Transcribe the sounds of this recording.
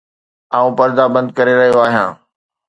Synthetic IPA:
aːũpɐɾd̪abɐ̃nd̪̚kɐɾeɾɐɦijoaːɦijãː

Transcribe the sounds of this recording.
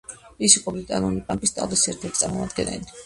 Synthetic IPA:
isiqʼɔblikʼanɔnipʼampʼist̪ʼa̰lˠvisiɛɾt̪ʰɛɾt̪isʼaɾmɔ̰mad̪ɡɛnɛ̰li

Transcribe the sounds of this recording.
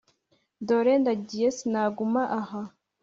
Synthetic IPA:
doɾendadijesnaɡumaʔaɦa

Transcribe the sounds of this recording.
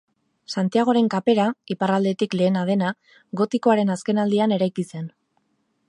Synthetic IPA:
sant̪iaɣ̞o̞ɾe̞ŋkape̞ɾaiparald̪e̞t̪ikle̞ːnað̞e̞na | ɣo̞t̪iko̞aɾe̞naske̞nald̪iane̞ɾajkise̞n

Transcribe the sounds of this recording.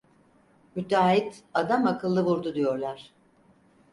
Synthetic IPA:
myt̪aːit̪ad̪amakʰɯlˠːɯβuɾd̪ud̪ijo̞ɾlˠaɾ̥

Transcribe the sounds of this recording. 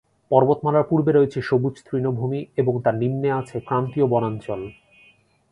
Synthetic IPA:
pɔɾbot̪malaɾpuɾbeɾojet͡ɕʰeʃobut͡ɕʰt̪ɾinobʱumieboŋt̪aɾnimneat͡ɕʰekɾant̪iobɔnant͡ɕɔl

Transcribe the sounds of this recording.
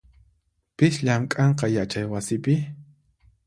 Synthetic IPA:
pɪʃʎamkʼɑɴqɑjat͡ʃajwasɪpɪ

